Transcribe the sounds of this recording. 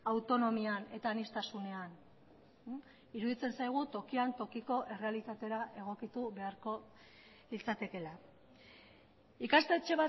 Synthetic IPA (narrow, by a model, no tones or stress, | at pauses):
awt̪o̞no̞miane̞t̪aːnist̪asune̞an | iɾuðit͡se̞nsajɣ̞ut̪o̞kiant̪o̞kiko̞ʔe̞re̞alit̪at̪e̞ɾaʔe̞ɣ̞o̞kit̪uβe̞aɾko̞ | lit͡sat̪e̞ke̞la | ikast̪e̞t͡ʃe̞βa